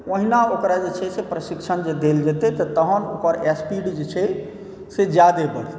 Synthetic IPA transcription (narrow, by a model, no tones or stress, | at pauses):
oɦinaokɾad͡ʒet͡ʃʰɛsepɾəsikt͡ʃʰənd͡ʒed̪eld͡ʒɛt̪ɛt̪ɔt̪əɦənokəɾɛspiɖd͡ʒet͡ʃʰɛ | sed͡ʒad̪ebəɽ